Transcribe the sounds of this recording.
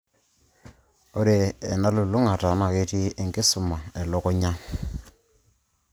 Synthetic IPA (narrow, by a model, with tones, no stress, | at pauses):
o˦ɾeː˨na˦lu˨lu˦ŋa˨ta˨na˨ke˦ti˦e˨ŋɡɪ˦sʊ˨ma˨ɛ˨lɔ˦kɔ˦ɲa˦